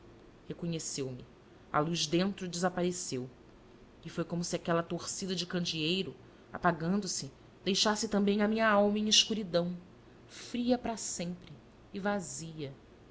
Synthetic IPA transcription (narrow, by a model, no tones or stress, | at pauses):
hekõɲesewmɪ | a̰luʒd̪ẽnt̪ɾʊd͡ʒɪzapaɾesew | ɪfojkõmʊsiakɛlɐt̪oχsid̪ɐd͡ʒɪkɐ̃nd͡ʒiejɾʊ | a̰paɡɐ̃nd̪ʊsɪ | d̪ejʃasɪt̪ɐ̃mbẽj̃ɐmĩɲɐawmɐẽiʃkuɾid̪ɐ̃w̃ | fɾiɐpɾɐsẽmpɾɪː | vaziɐ